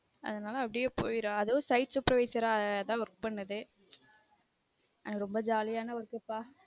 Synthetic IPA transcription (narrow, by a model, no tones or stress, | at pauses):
ɐ̰ðɐnaːlɐɐpːɐɽɪjeːpo̰ːjɪɾõːɐðoːsɐɪʈsɯpːɾɐʋeːsɐɾãːɛðãːʋɔkpɐɳːɐðɯ | ɐnaɾɔmbɐd͡ʒaːlɪjaːnɐɐɾkːɐpːaː